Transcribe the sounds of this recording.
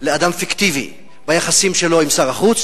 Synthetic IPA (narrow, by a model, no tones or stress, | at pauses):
lead̪amfikt̪ivḭ | bajaχasimʃelo̞imsaʁaχut͡s